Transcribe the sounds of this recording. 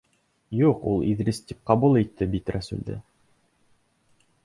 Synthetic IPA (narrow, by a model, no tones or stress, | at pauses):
juqṵlˠiðɾɘst̪ʲip̚qɑbulˠejt̪ːɘbit̪ʲɾæsʉ̰ld̪ɘ̰